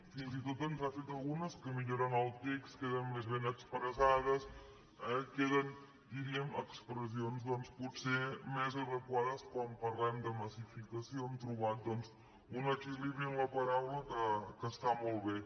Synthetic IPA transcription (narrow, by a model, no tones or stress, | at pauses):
finzit̪ot̪ənzasit̪əlɣunəskəmiʎoɾənalˠt̪ikskeðənːezβenəkspɾəzað̞əs | əkeðən | d̪iɾiəməkspɾəzionzd̪ɔnsput̪semezərəkwaðəskwampəɾlɛmd̪əməsifikəsioəmt̪ɾuβat̪̚d̪ɔnz | unakiliβɾiənləpəɾawləkəkəst̪amolˠβe